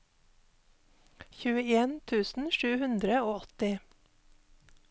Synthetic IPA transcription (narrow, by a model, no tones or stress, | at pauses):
çʉːəeːnt̪ʰʉːsn̩ʃʉːhʉnd̪ɾəoːɔt̪ɪ